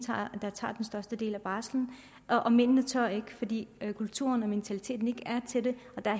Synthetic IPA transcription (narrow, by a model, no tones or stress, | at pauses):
ɑ̰d̥ɑt͡sʰɑ̰̈ːd̥ensd̥ɶɐsd̥əd̥e̝̰ːlæb̥ɑ̈ːsln̩ | ʔʔɒ̽men̰nət͡sʰɶɐ̰e̝ɡ̥əfɒ̽d̥ḭːkʰult͡sʰṵɐnɒ̽minit͡sʰælit͡sʰe̝̰ːd̥n̩e̝ɡ̥əæɐt͡sʰe̝d̥e̝ɒ̽d̥ɑæɐ